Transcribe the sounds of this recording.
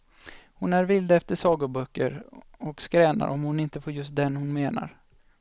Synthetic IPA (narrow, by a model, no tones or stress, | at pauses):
hʊnæɾvɪld̪ɛft̪əʂɑːɡʊbœkːə̰ɾ | ɔkskɾɛːna̰ɾʔɔmhʊnɪnt̪əfoːɾjɵst̪̚d̪ɛnhʊnmeːna̰ɾ